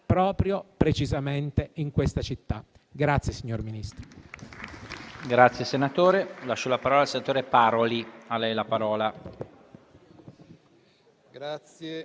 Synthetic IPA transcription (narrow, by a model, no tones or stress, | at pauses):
pɾɔːpɾjopɾet͡ʃizament̪eiŋkwest̪at͡ʃit̪ːa | ɡɾat̪sːjesiɲːorminist̪ɾo | ɡɾat̪sːjesenat̪oːɾelaʃːɔlapaɾɔːlaːlsenat̪oːɾepaɾolialɛjlapaɾɔːla | ɡa